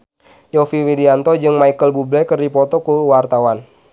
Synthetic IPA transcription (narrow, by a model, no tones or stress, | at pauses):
jɔfiwidiant̪ɔd͡ʒɨŋmaikəlbublɛkərdipɔt̪ɔkuwart̪awan